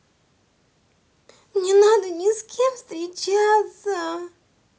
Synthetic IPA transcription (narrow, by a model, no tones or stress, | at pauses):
nʲɪnad̪ənʲɪskʲemst̪ɾʲɪt͡ɕat̪sə